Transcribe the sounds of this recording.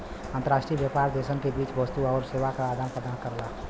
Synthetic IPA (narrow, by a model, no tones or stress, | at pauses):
ə̃nt̪əɾaːʃʈɾiʋjəpaːɾd̪eːsənkebiːt͡ʃʋəst̪uɔːɾseːʋakaːd̪anpɾəd̪ankəɾla